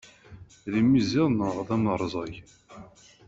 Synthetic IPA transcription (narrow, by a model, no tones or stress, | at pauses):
ðimːizɪʁˤnəʁðˤæmɾˤzˤɑj